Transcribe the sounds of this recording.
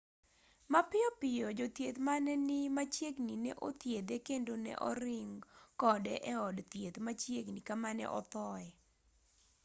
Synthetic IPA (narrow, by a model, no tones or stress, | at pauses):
mapɪɔpɪjɔd͡ʒot̪jet̪manɛnɪmat͡ʃjeɡninɛʔo̰t̪jed̪ekendonɛ̰ʔɔ̰ɾɪŋkɔdɛʔɛɔdt̪jet̪mat͡ʃjeɡnikamanɛ̰ʔɔ̰t̪ɔɛ